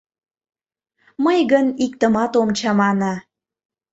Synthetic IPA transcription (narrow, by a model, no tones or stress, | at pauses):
məjɣənik̚t̪əmɑt̪omt͡ɕɑmɑnɑ